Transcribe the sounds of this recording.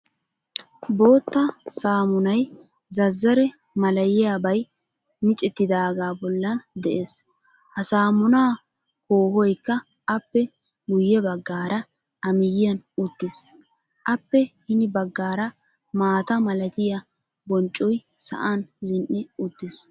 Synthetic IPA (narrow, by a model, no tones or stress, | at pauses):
bo̞ːt̪ːɐsaːmʊnɐj | zɐzːɐɾɛ | mɐlɐjɪjaːbɐj | mɪt͡sʼɪt̪ːɪd̪aːɡaːbɔlːɐnd̪ɛʔe̞ːs | hɐsaːmʊnaː | koːhɔjkːɐː | pːɛ | ɡʊjːɛbɐɡːaːɾɐ | ʔɐmɪjɪjɐnʊt̪ːɪs | ʔɐpːɛhɪnɪbɐɡːaːɾɐ | maːt̪ɐmɐlɐt̪ɪjɐ | bɔnt͡ʃʼːɔjsɐ̰ʔanzɪnʔːɪʊt̪ːɪs